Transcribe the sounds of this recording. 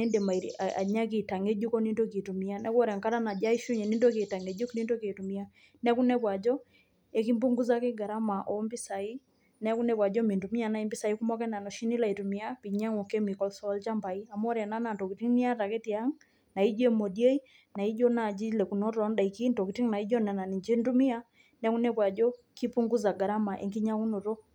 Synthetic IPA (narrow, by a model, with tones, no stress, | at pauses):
nɛ˦nde˨ma˨a̰˨ɲa˦ki˨ta˨ŋe˦d͡ʒu˦kɔ˦ni˦ndo˦ki˨tu˨mi˦a˦nɛ˦kwɾa˨ŋka˦ɾa˦na˨d͡ʒa˦i˦ʃu˦ɲe˨ni˦ndo˦ke˨ta˨ŋe˨d͡ʒu˦kni˦ndo˦ke˨tu˨mi˦a˦ | nɛ˦ku˦nɛ˦pwa˨d͡ʒɔ˦ | e˦ki˦mbu˦ŋɡu˦za˦kɪ˦ɡa˨ɾa˦ma˨ʔɔ˨˦mbi˦sa˨i˦ | nɛ˦ku˦nɛ˦pwa˨d͡ʒɔ˦mi˨ntu˨mi˦a˦˨na˦i˦mbi˦sa˨i˦ku˦mɔ˦kɛ˦na˨nɔ˨ʃi˦ni˦la˦i˨tu˨mi˦a˦pi˨ɲa˦ŋɔ˨ke˦mi˨kɔ˦lsɔ˦lt͡ʃa˦mba˨i˦a˨mɔ˦ɾja˨na˦na˨nto˨ki˨ti˦ŋni˦a˦ta˨ke˦ti˦a˦ŋ | na˨i˦d͡ʒe˦mo˨di˦e˦i˦ | na˨i˦d͡ʒɔ˦na˨d͡ʒi˦lɛ˨ku˨nɔ˦ɾɔ˦nda˨i˨ki˦nto˨ki˨ti˦ŋna˨i˦d͡ʒɔ˦nɛ˨na˨ni˨d͡ʒe˦ntu˦mi˦a˦ | nɛ˦ku˦nɛ˦pwa˨d͡ʒɔ˦ | ki˦pu˦ŋɡu˦za˨ɡa˨ɾa˦ma˨ʔḛ˨ŋki˦ɲa˦ku˦no˨ɾo˦